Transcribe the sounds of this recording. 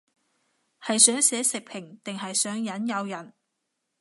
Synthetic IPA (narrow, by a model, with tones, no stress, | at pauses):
hɐ˨jsœː˨˥ŋsɛː˨˥sɪ˨k̚pʰɪ˨˩ŋt̪ɪ˨ŋhɐ˨jsœː˨˥ŋjɐ˨˥njɐ˨˧wjɐ˨˩n